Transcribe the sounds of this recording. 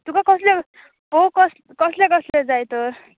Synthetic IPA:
t̪ukakʌsle | pokʌs | kʌslekʌsled͡zajt̪or

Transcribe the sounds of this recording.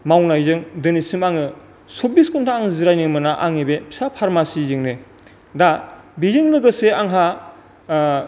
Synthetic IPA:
mawnajzɯŋdɯnisimaŋɯ | sobiskuntʰaːŋziɾajnɯŋmɯnaʔaŋebepʰsapʰaɾmasizɯŋne | dabizɯŋlɯɡɯseaŋɦa

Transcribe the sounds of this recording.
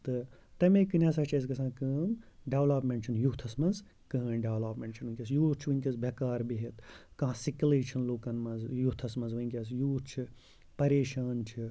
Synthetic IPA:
t̪ɨt̪ɐmẽkɨnjasɐt͡ʃʰɐs̬ɡɐsʰãːkɨːmɖeʋlɐːpmeɳʈt͡ʃʰinjut̪ʰɐsmɐnz | kɨnɖeʋlaːpmeɳʈt͡ʃʰinʋɨnʲkʲiɐs̬juːt͡ʃʰiʋɨŋʲkʲisbʱɐkaːɾbiɦet̪kãːsikʲuleːt͡ʃʰɐnloːkɐnmɐnzjut̪ʰɐsmɐnzʋɨnkʲɐsjuːt͡ʃʰi | pɐɾeːʃaːnt͡ʃʰi

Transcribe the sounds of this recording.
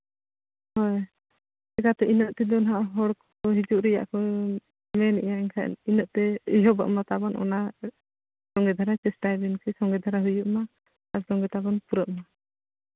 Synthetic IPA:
hɔj | ɛkat̪ɛʔinɔʔt̪ɛd̪ɔnaɦaʔɦɔɽk | ɔɦid͡ʒuʔɾɛja̰ʔkɔ | mɛnʔjaɛŋkʰa̰ʔninɔʔ̚t̪ɛijɔba̰ʔmat̪abɔnʔɔ̰na | sɔŋɡɛd̪ʱaɾat͡ʃɛsʈajbinkɛsɔŋɡɛd̪ʱaɾaɦujuʔma | aɾsɔŋɡɛt̪abɔnpuɾəʔma

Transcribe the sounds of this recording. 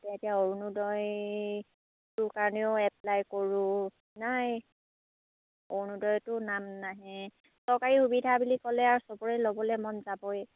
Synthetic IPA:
tɛatijaoɹunudɔj | tʊkaɹɔneʊɛp̚lajkoɹʊ̃ | naj | oɹnudɔjtʊnamnaɦɛ | sɔɹkaɹixubidʱabulikɔlɛaɹsɔbɔɹɛlobɔlɛmɔnzabɔj

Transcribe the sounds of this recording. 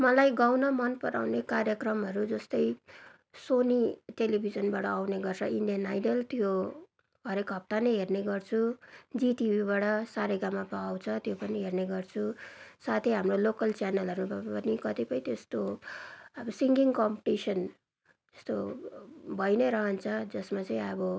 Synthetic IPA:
mʌlajɡawnʌmʌnpʌɾa̰wnekarjʌkrʌmɦʌɾud͡zʌst̪ʌj | soniʈelibʱid͡zʌnbaʈʌawneɡʌrt͡sʰʌinɖijʌnajɖʌlt̪jo | ɦʌɾekɦʌp̚t̪anʌjɦerneɡʌrt͡sʰud͡ziʈibʱiβaʈʌsaɾeɡamːapaawt͡sʰʌt̪jopʌniɦerneɡʌrt͡sʰusat̪ʰiɦamrolokʌlt͡sjanʌlɦʌɾubʌnikʌt̪ipʌĩt̪est̪o | ʌbʌsiŋɡiŋkʌmpiʈisʌn | ʌst̪o | bʱʌjnʌɾʌɦʌnt͡sʰʌd͡zʌsmat͡sʌ̃ĩʌbʌ

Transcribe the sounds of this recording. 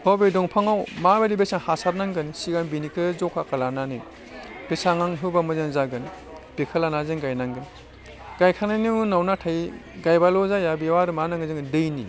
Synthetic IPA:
hɔbedɔŋpʰaŋawmabeɾibesaŋhasat̚naŋɡɯnsiɡanbinikʰɯzɔkʰakalanani | b̥esaŋaŋɦɯwbamɯzenzaɡɯn | b̥ikʰɐlanazeŋɡajnaŋɡɯn | ɡajkʰananinawnatʰaj | ɡajbalɔzajabiwaɾɯmanaŋɯzeŋdɯjnḭ

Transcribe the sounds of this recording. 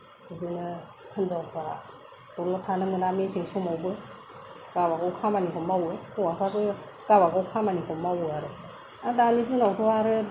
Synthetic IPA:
didɯnɯ | kʰɯnzawpʰa | tɔnɔtʰanɯmɯnameseŋsumawbɯ | ɡ̥abakɔwkʰamanikʰɔmawɯɔwapʰakɯ | ɡ̥abakɔwkʰamanikʰɔmawaɾɯ | adanidɯnawtʰɔaɾɯ

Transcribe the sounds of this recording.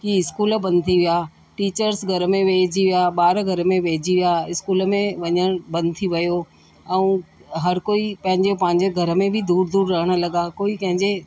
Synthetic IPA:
kiɪskuːlbɐ̃nd̪̚t̪ʰiʋijaː | ʈiːt͡ɕəɾsɡʱɐɾə̆mẽʋeːd͡ʑiʋijaɓaːɾɡʱɐɾəmẽʋeːd͡ʑiʋijaɪskuːlə̆mẽʋɐɲəɽ̃bɐ̃nd̪t̪ʰiʋɐjo | ɛ̃ɦɐɾkoːipɐ̃ɦɪ̃ɲd͡ʑepɐ̃ɦɪ̃ɲd͡ʑeɡʱɐɾə̆mẽbʱɪd̪uːɾd̪uːɾːɐɦəɽ̃ə̆lɐɠakoːikɐ̃ɦɪ̃ɲd͡ʑe

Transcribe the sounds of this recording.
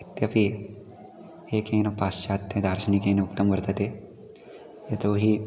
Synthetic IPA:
it̪jɐpi | eːkeːnɐpaːst͡ʃaːt̪ːed̪ʱaːɾʃinikeːnɐukt̪ɐmkɐɾt̪ɐt̪e | et̪oɦi

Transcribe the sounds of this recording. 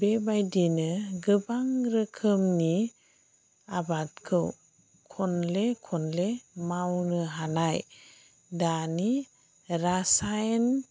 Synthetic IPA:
bebajdinɯɡɯbaŋɾɯkʰɯmni | abat̚kʰɯw | kʰɔnlekʰɔnlemawnɯɦanaj | dani | ɾasajn

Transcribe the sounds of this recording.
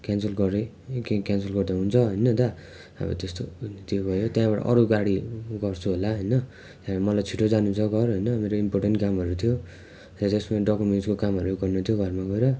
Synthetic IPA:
kansʌlɡʌɾe | kekansʌlɡʌrd̪aɦunt͡sʰʌɦʌjnʌt̪ʌ | ʌ̰bʌ̰t̪est̪ot̪jobʱʌjot̪jãbaʈʌ̰ʔʌɾuɡaɽiɡʌrt͡sʰuɦolaɦʌjnʌ | t̪ãmʌlajt͡sʰiʈʰːod͡zanũt͡sʰʌɡʌrɦʌjnʌmeɾoimporʈenʈkamɦʌɾut̪ʰijo | tʌt̪esmaɖʌkomenskokamɦʌɾuɡʌrnut̪ʰijoɡʱʌrmaɡʌeɾʌ

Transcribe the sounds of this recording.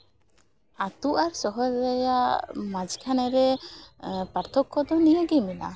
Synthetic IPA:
at̪uʔaɾsɔɦɔɾd̪ajaʔʔmad͡ʒkʰanɛɾɛ | paɾt̪ʰɔkːɔd̪ɔnijəɡimina̰

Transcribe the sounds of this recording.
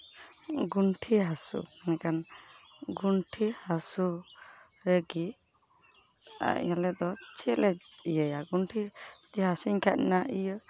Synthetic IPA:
ɡunʈʰiɦasṵɛnɛkan | ɡunʈʰihasu | ɾeɡi | a̰ʔɲalɛd̪ɔt͡ʃʰilɛijəjaɡunʈʰid͡ʒiɦasuɲkʰat̪̚inaʔijə

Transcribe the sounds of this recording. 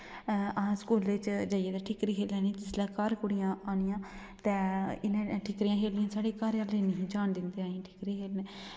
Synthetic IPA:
əãːskoːleːt͡ʃd͡ʒaːɪeːd̪aːʈʰɪkɾiːɦeːlɛːniːt̪ɪslaːkaːɾkʊɽɪjãːaːnijãː | t̪ɛːɪnẽːʈʰɪkɾɪːãːɦeːlnɪjãːsaːɽeːkaːɾãːleːniɦĩːd͡ʒaːnd̪ɪnd̪eːaːĩːʈʰɪkɾiːɦeːlneː

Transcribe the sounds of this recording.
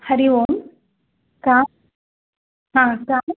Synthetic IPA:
həɾiʋon | ka | ɦãkam

